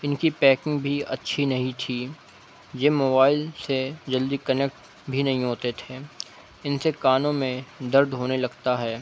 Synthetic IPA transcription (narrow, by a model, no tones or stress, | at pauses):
ɪnkipɛːkɪ̃ŋɡbʱiɐ̰tːʃʰinɐɦĩt̪ʰiː | jeːmoːbaːɪlsed͡ʒɐld̪ikɐneːk̚ʈ | bʱinɐɦĩɦoːt̪et̪ʰeː | ɪnsekaːnõmẽd̪ɐɾd̪ɦoːnelɐɡt̪aɦɛː